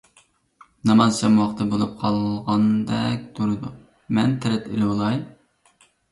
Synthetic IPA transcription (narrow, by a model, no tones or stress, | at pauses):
nɑmɑzt͡ʃʰɑmwɑχt̪ʰɨbolˠup̚qʰɑlˠʁɑnd̪ɛk̚ʲt̪ʰuɾɨd̪u | mɛnt̪ʰɛɾɛt̪elɪwolˠɑj